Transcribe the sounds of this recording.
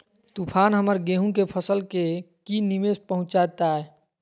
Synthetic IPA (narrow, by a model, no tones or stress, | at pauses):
t̪upʰaːnɦəməɾɡeɦũkepʰəsəlkekinimespəɦʊ̃t͡ʃat̪aɦɛ